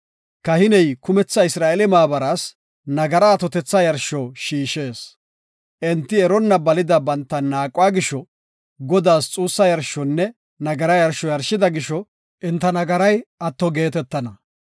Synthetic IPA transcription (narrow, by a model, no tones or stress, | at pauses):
kɐhɪnɛjkʊmɛt͡sːɐɪsɾaːelɛmaːbɐɾas | nɐɡɐɾɐːt̪ɔt̪ɛt͡sːɐjɐɾʃɔʃiːʃe̞ːs | ʔɛnt̪ːɪɛɾɔnːɐbɐlɪd̪ɐbɐnt̪ːɐnːaːkʼʊwaːɡɪʃɔ | ɡɔd̪aːst͡sʼuːsːɐjɐɾʃɔnːɛ | nɐɡɐɾɐjɐɾʃɔjɐɾʃɪd̪ɐɡɪʃɔ | ʔɪnt̪ːɐnɐɡɐɾɐjɐt̪ːɔɡe̞ːt̪ɛt̪ːɐnɐ